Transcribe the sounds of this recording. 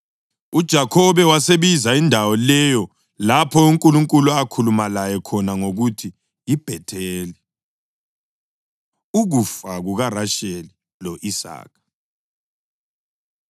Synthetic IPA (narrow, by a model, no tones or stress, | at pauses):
ud̥ʒ̥ʱakʰɔβɛwaseβizaindʱawɔlɛjɔ | lapʰɔiŋkʼuluŋkʼuluakʰulumalajɛkʰɔnaŋoɣutʰi | ib̥ʱɛtʰeːli | uɣufaɣuɣaraʃeli | lɔʔisa̰ːkʰḁ